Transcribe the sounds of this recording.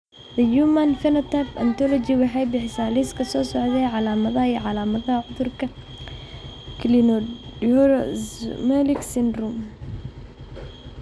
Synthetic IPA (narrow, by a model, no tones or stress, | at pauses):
ðɐjumɐnfɛnɔt̪ʰɐpɐnt̪ʰɔlɔt͡ʃiwɑħɑjbɪħɪsaːliskʰɐsɔːsɔʕðɛːʕɑlaːmɐðɐɦɐiʕɑlaːmɐðɐɦɐʕʊðʊrkʰɐ | kʰlinɔɔɾmɛlɪksɪnrum